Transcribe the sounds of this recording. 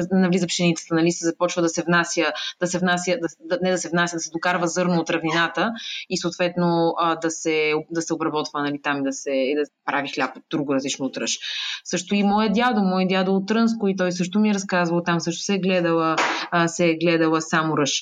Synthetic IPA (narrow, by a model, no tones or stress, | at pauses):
nɐvlizəpʃɛnit̪ɛ̥sɐnɐlist̪əzɐpɔt͡ʃvəd̪ɐsɛvnasʲjəd̪̥ɐsɛvnasʲjəd̪ɐd̪nɛd̪ɐsɛvnasjəd̪ɐsɛd̪ʊkaɾvəzɤɾnoːt̪ɾɐvninat̪əisoːt̪vɛt̪nod̪ɐsɛod̪ɐsɛobɾɐbɔt̪vənɐlit̪amid̪ɐsɛid̪ɐpɾʔavixlʲapod̪ɾuɡʊɾɐzlit͡ʃnoːt̪ɾəʃsɤʃt̪ʊimɔjəd̪jad̪olˠmɔjəd̪ʲjad̪olˠt̪ɾɤnskʊit̪ɔjsɤʃ̬t̪ʊmiɛɾɐskazvɐlˠt̪amsɤʃt̪ʊ̥sɛɡlɛd̪əlˠəsɛɡlɛd̪əlˠəsamoɾɤʃ